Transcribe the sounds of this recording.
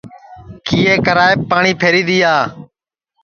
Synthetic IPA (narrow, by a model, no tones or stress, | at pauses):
kiːeːkəɾaːeːpːaːɳiːpʰeːɾiːɗ̪iːaː